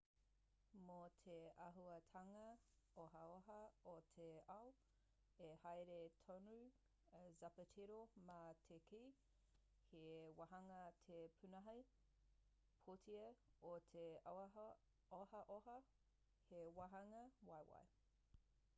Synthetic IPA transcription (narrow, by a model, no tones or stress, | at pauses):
motʰeɐɦuɐtʰɐŋɐ | oɦɐoɦɐotʰeɐw | ehɐjɾetʰonu | zɐpətʰiɾomaːtʰekʰiː | hewɐɦɐŋɐtʰepʰʉnɐɦɐj | pʰotʰiɐotʰe | ohɐʔoɦɐ | hewaɦɐŋɐwajwa̰j